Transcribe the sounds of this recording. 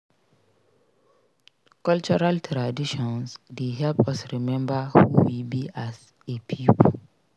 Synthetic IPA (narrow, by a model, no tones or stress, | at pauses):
kɔlt͡ʃɔɹaltʰɾadiʃɔ̃nsdeɦɛlpɔsɹimɛ̃mbahuwibias | epʰip